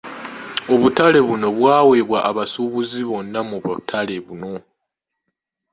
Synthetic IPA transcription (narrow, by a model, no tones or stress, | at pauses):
o̞βutale̞βuno̞βwaːwe̞βwaʔaβasuβuziβo̞nːamuβutʰale̞βuno̞